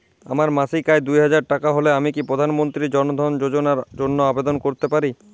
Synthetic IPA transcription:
a̰maɾmasikaed̪ujɦad͡ʑaɾʈakaɦoleamikipɾod̪ʱanmont̪ɾid͡ʑɔnod̪ʱɔnd͡ʑod͡ʑonaɾd͡ʑonːoabed̪onkoɾt̪epaɾi

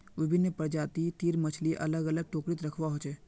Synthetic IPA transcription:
ʋɪbʱɪnːəpəɾd͡ʒaːt̪it̪iːɾmət͡ʃʰliʔɐ̰ləɡɐləɡ̚ʈoːkɾɪt̪ɾəkʰʋaɦoːt͡ʃɛː

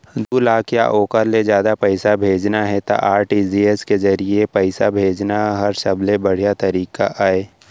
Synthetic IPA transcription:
d̪uːlaːkja̰ʔoːkəɾled͡ʒjaːd̪apɛɪsabʱeːd͡ʒnaɦɛt̪a̰ʔaːɾʈiːzieskezɐɾiepɛɪsabʱeːd͡ʒnaɦɐɾsɐblebɐɽ̤ijat̪ɐɾiːkaʔaːeː

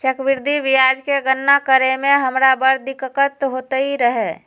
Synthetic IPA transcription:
t͡ʃəkʋɪɾd̪ʱiʋɪjaːd͡ʒkeɡənːakəɾemẽɦəmɾabəɾd̪ɪkəkət̪ɦoːt̪əiɾəɦe

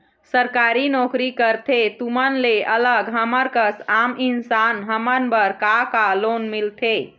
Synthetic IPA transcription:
səɾkaɾinɔkɾikəɾt̪ʰet̪umənleʔələɡɦəməɾkəsaminsanɦəmənbəɾkakalonmilt̪ʰe

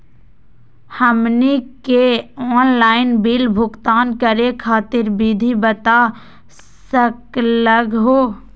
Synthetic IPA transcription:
həmnikeɔːnlaːɪnbilbʱʊɡt̪aːnkəɾekʰaːt̪ɪɾbid̪ʱibət̪a | səkləɡɦoː

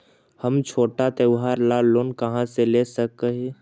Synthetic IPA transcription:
həmt͡ʃʰoːʈat̪eʋɦaːɾlaloːnkɐɦãselesək̚əɦẽ

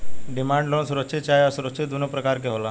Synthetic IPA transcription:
ɖɪmãːɳɖlonsʊɾəkt͡ʃʰit̪̚t͡ʃaːjasʊɾəkʃʰit̪̚d̪unopɾəkaːɾkeɦola

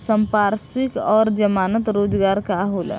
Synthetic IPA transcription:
səmpaɾsikɔɾd͡ʒəmanət̪ɾoːd͡ʒɡaɾkaɦol̰

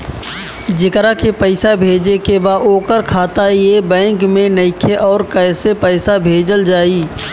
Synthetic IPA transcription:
d͡ʒɪkɾakepəɪsabʱeːd͡ʒnekebaːoːkəɾkʰaːt̪ajebɛ̃ːŋkmẽnɐɪkʰeʔɔːɾkɛːsepɛːsabʱeːd͡ʒəld͡ʒaːiː

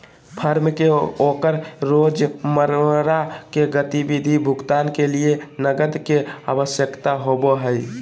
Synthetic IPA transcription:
pʰəɾmkeokəɾɾod͡ʒməɾɾakeɡət̪ibid̪ʱibʱʊɡt̪aːnkelienəɡəd̪keaʋəsjəkt̪aɦoboɦəɪ

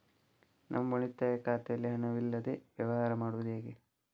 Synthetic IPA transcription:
nʔɐ̰mɐboɭit̪ːaːjɐkaːt̪ejɐlːiɦɐnɐʋilːɐd̪eʋjɐʋɐɦaːɾɐmaːɽuʋɐd̪eːɡe

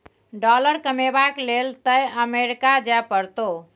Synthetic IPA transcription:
ɖɔləɾkəmebaklelt̪əjəmeɾikad͡ʒapəɾt̪o

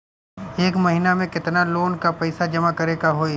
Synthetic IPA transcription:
eːkmɐɦinamẽkɪt̪naloːnkapɛɪsad͡ʒɐmakɐɾekaɦoːi

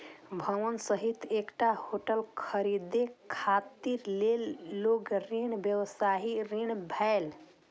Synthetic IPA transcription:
bʱəʋənsəɦit̪ekʈahoʈəlkʰəɾid̪ekʰat̪iɾlelːoɡɾiɳ̃bjəwsaɦiɾiɳ̃bʱael

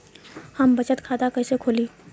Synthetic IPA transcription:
hɐmbɐt͡ʃət̪kʰaːd̪akɐɦsekʰoːliː

